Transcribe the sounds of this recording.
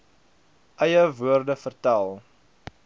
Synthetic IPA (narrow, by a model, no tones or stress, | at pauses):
ʔəjəvuərdəfərtælˠ